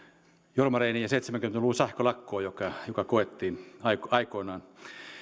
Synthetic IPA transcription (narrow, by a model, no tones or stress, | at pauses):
jormɑreiniːjɑseit̪semæŋkyment̪ælusɑhkolɑkːoːjokɑjokɑkoet̪ːiːnɑikɑikoinɑːn